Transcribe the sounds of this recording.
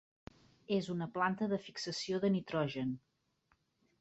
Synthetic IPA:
ezunəplant̪əðəfiksəsioðənit̪ɾɔʒən

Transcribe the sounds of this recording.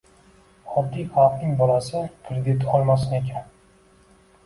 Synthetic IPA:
ɒd̪ːijhalˠqnɪŋbɒlasɪkʰɾed̪ɪt̪ɒlˠmasɪne̞kʲʰan

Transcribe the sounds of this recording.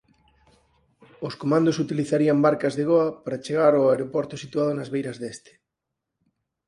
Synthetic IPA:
oskomãnd̪osut̪iliθaɾiambaɾkazðeɣoapaɾat͡ʃeɣ̞aɾoaeɾopoɾt̪osit̪uað̞onazβejɾazðest̪e̥

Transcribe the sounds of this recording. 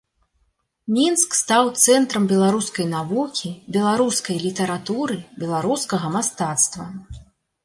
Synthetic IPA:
mʲinskst̪awt̪sɛnt̪ɾɐmbʲɛlˠaɾuskɐjnavukʲibʲɛlˠaɾuskɐjlʲit̪ɐɾat̪uɾɨbʲɛlˠaɾuskɐɣɐmast̪at̪st̪vɐ

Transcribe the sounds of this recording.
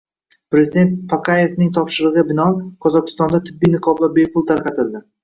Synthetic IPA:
pɾezid̪e̞nt̪̚pʰakʰaje̞vnɪŋt̪ʰɒpʃɪɾɨʁɨbɪnɒqʰɒzɒqʰɨ̥st̪ɒnd̪at̪ʰɪbːijnɪqʰɒbvabejpʰʊlˠt̪ʰaɾqɑt̪ʰɪld̪ɪ

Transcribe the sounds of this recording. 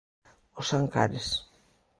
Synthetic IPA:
osaŋka̰ɾes

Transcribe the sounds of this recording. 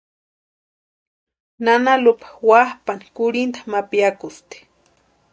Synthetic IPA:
nanalupḁwahpani̥kʊɾint̪ḁmapiakʊst̪e̥

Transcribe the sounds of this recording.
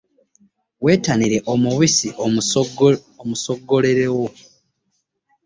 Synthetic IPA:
we̞ːtaniɾe̞ʔomuβisiʔ | omuso̞ɡːo̞leɾewo̞

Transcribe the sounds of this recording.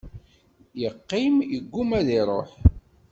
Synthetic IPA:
jəqːimjəɡːumæðiɾˤoħ

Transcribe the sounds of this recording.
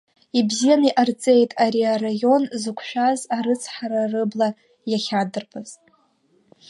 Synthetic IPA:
ibzijaniʔart͡sʼe̞jtʼaɾiaɾajo̞nzɨkʷʰʃᶣazaɾɨt͡sʰħaɾarɨbla | jaχʲadɨrpʰaz̥tʼ

